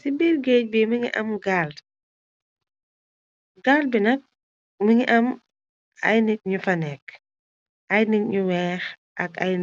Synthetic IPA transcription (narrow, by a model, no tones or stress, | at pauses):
sibiːɾɡeːc̚bimiŋiʔɐmɡaːld | ɡaːl̚binɐk̚ | miŋiʔɐm | ɐjnit̚ɲufɐnɛːk | ʔɐjniŋɲuwɛːx | ʔɐkɐ̰j